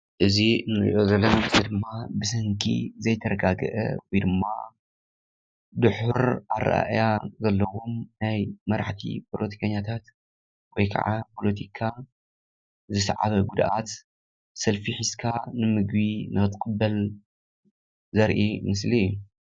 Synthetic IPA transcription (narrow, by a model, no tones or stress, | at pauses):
ʔɨziɨnɨɾḭʔozɐlːomɨzid̪ɨmːabɨsɐŋkʰḭzɐjt̪ʰɐɾɐɡaɡɨ̰ʔɐ̰wɔjd̪ɨmːa̰ | d̪ɨħuɾa̰ɾa̰ʔa̰ʔjazɐlːɐwomnajmɐɾaħt̪ʰḭpʰolot̪ʰi̥kʰɐɲːat̪ʰat̪ | wɔjkʰa̰ʕapʰo̞lɐt̪ʰikʰa | zɨsʕa̰βɐɡud̪ʔat̪ | sɐlfiħiskʰanɨmɨɡbinʔɨɨt̪kʼɨbːɐl | zɐɾʔimɨslijːu